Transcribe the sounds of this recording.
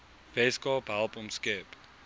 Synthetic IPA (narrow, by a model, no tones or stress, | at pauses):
vɛskɑːpɦælˠpɔmskɛːp